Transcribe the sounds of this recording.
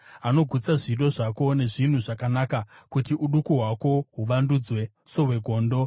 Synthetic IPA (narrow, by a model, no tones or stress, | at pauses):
ano̞ɡʱut͡saʐiɗo̞ʐako̞ne̞ʐin̤uʐakanakakutiʔuɗukuɦwako̞ɦuʋandud͡zwe̞ | soɦwe̞ɡʱo̞ːndo̞